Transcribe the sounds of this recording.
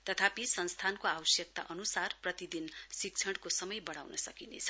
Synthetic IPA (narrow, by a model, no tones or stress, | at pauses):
t̪ʌt̪ʰapisʌnst̪ʰankoabʌsjʌk̚t̪a̰ʔʌnusarprʌt̪id̪insik̚t͡sʰʌɽkosʌmʌjbʌɽ̃awnʌsʌkinḛt͡sʰʌ̥